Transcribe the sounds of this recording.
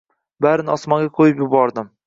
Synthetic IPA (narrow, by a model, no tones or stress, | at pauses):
baɾɪnɒsmɒŋɡʲaqʰojɪpjʊbɒɾd̪ɪm